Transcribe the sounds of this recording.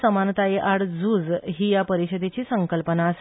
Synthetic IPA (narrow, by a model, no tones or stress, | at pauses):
səmant̪ajeʔaɽd͡zuːd͡zɦiːjapəɾiɕəd̪et͡ɕiːsəŋkəlpənaəs